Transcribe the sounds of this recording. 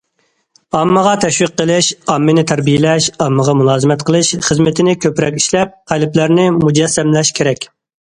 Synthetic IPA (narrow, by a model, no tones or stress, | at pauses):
ɑmːəʁɑt̪ʰɛʃwiqːəlˠɨʃɑmːɪnɪt̪ʰæɾbijɪlɛʃɑmːəʁɑmulˠɑːzɨmɛt̪̚qʰəlˠɨʃχəzmɪt̪ʰɪnɪkʲʰøpɾɛ̰kʲiʃlɛp̚qʰælɪplæɾnɪmud͡ʒɛsːɛmlɛʃkʲʰeɾɛkʲ